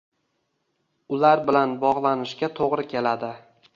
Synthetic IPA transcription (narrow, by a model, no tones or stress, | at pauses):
ʊlaɾbɪlanbɒʁlˠanɪʃɡʲat̪ʰoʁɾɪkʲe̞lad̪ɪ